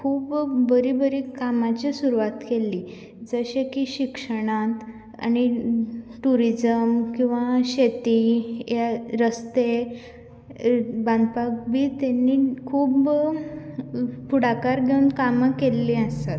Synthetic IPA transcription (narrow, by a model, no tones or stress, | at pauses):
kʰuːbbəɾiːbəɾiːkamat͡ɕisuɾuʋat̪kelːiː | d͡zəɕekiːɕikʂəɽ̃at̪ | a̰ñi | ʈuɾid͡zəmkĩw̃ʋaɕet̪ijaɾəst̪e | bãnd̪pak̚biːt̪anːiːkʰuːb | puɽakaɾɡʱeunkamakelːiəst̪at̪